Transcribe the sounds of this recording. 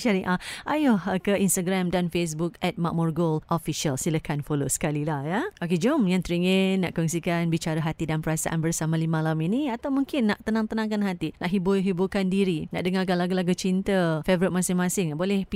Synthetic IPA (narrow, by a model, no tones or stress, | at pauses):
ʃaɾiʔaʔajʊhkəʔinst̪aɡɾamdanfes̬buk̚ɛt̪̚ma̰ʔ̚mɔrɡolʔofiʃiəlsiləkʰanfolosə̥kalilahjaok̬ed͡ʒomjaŋt̪ɾiŋənːaʔkɔŋsikanbit͡ʃaɾaɦat̪idanpəɾasa̰ʔa̰nbərsamãlimãlaminiat̪awmuŋkɪnːaʔt̪ənãŋt̪ənãŋkanɦat̪ina̰ʔɦibuɦibukandiɾina̰ʔdəŋak̬alaɡulaɡut͡ʃint̪əfevɾɪt̪̚mãsɪŋmãsɪŋbolɛhp